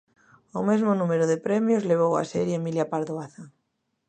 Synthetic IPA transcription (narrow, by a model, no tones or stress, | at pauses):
omezmonumeɾoðepɾemjozleβ̞owa̰seɾjemiljapaɾðoaθa